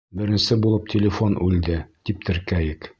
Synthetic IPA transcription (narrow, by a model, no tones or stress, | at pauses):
bɘ̆ɾɘ̆nsɘbulˠɤp̚tʲʰɪlʲɪfonʔʉld̪ɘt̪ip̚t̪ɘ̆ɾkæjɘk